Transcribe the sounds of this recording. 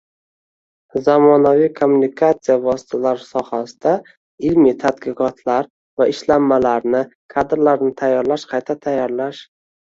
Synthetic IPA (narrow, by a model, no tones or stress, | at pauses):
zamɒnavijkʰomːunɪkʰat̪sijavɒsɪ̥t̪ʰalaɾsɒhasɪd̪̥a | ɪlmit̪ʰad̪̚qɨqʰɒt̪ʰlaɾ | vaɪʃlamːalaɾnɪkʰad̪ɾlaɾnɪt̪ʰajːɒɾlaʃqʰɑjt̪ʰat̪ʰajːɒɾlaʃ